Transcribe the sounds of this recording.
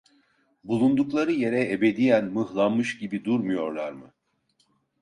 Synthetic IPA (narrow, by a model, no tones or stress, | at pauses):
bulˠund̪uklˠaɾɯje̞ɾɛebe̞d̪ijænmɯhlˠammːɯʃɟibid̪uɾmujo̞ɾlˠaɾmɯ